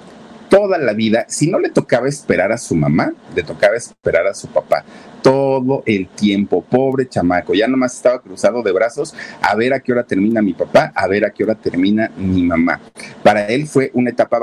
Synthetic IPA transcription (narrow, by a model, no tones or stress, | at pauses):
t̪o̞ðalaβiðasino̞le̞t̪o̞kaβaespe̞ɾaɾasuma̰male̞t̪o̞kaβaespe̞ɾaɾasupapa̰t̪o̞ðo̞ʔe̞lt̪je̞mpo̞po̞βɾe̞t͡ʃamako̞ʝanomase̞st̪aβakɾusaðo̞ðe̞βɾaso̞sa̰βe̞ɾakeoɾat̪e̞ɾmĩnamipapaʔaβe̞ɾakeo̞ɾat̪e̞ɾmĩnamimãma̰ | paɾae̞lfwe̞ʔunaet̪apa